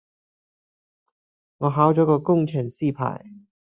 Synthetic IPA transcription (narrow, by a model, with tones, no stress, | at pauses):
ŋɔː˨˧ɦaː˨˥wt͡ʃɔː˨˥kɔː˧kʊ˥˧ŋt͡ʃʰɪ˨˩ŋsiː˥˩pʰa̰ː˨˩j